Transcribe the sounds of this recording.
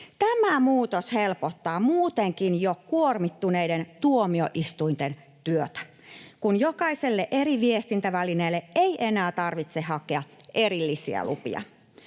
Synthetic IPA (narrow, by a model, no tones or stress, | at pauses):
t̪æmæmuːt̪oshelpot̪ːɑːmuːt̪eŋkinjokuormit̪ːuneident̪uomioʔist̪uint̪en | t̪yøt̪æ̥ | kunjokɑiselːeʔeriʋiest̪int̪æʋælineːlːeʔeiʔenæːt̪ɑrʋit̪sehɑkeɑʔerilːisḭæ̰lṵpḭɑ̰